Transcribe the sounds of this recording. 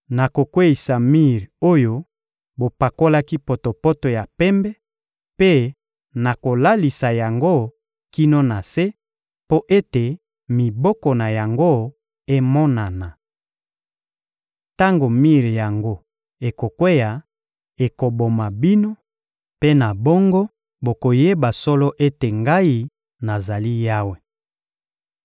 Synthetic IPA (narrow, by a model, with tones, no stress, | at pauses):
na˨ko˨kwe˦i˨sa˨mi˦˨ʁo˦jo˦ | bo˨pa˨ko˦la˦ki˦po˨to˨po˦to˨ja˨pɛ˦mbɛ˦ | pe˦ | na˨ko˨la˦li˨sa˨ja˨ŋɡo˦ | ki˦no˦na˨se˦ | po˦ʔe˦te˨ | mi˨bɔ˦kɔ˨na˨ja˨ŋɡo˦ | e˦mɔ˦na˨na˨ | ta˦ŋɡo˨mi˦ʁi˨ja˨ŋɡo˦ | e˨ko˨kwe˦ja˨ | e˨ko˨bo˨ma˨bi˦no˦ | pe˦na˨bɔ˦ŋɡɔ˦ | bo˨ko˨je˦ba˨sɔ˦lɔ˦ʔe˦te˨ŋɡa˦i˦ | na˨za˨li˦ja˦we˨